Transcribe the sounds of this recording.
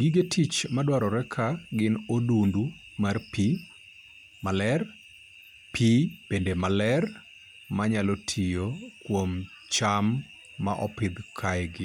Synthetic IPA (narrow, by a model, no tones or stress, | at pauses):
ɡiɡetʰit͡ʃmadwaɾɔɾɛkʰaɡɪnodundu | marpi | malɛr | pʰib̥endemalɛr | maɲalɔtʰijokwom | t͡ʃamː | a̰ʔɔpɪd̪kʰajɡɪ